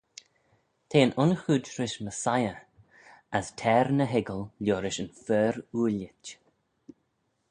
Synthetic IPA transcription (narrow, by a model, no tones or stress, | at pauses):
t̪ʰeːənʔʊnxuːdɾɪʃməsajə | əstʰɛːɾnəɦɛɡəlljoːɾɪʃənfɛːɾuːlɪt